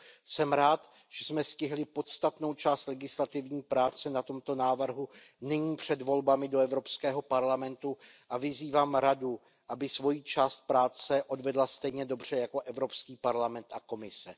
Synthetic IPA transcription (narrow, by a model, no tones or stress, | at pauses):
sɛmɾaːt̪ | ʒ̥ɛsmɛscɪɦlɪpo̞t̪st̪at̪no̞wt͡ʃaːst̪lɛɡɪslat̪ɪvɲiːpɾaːt͡sɛnat̪o̞mt̪o̞naːvr̩ɦunɪɲiːpr̝̥ɛdvo̞lbamɪdoɛvɾo̞pskɛːɦo̞paɾlamɛnt̪uʔavɪziːvaːmɾadu | ʔabɪsvo̞jiːt͡ʃaːst̪̚pɾaːt͡sɛʔo̞dvɛdlast̪ɛjɲɛdo̞br̝ɛjako̞ʔɛvɾo̞pskiːpaɾlamɛnt̪ʔako̞mɪsɛ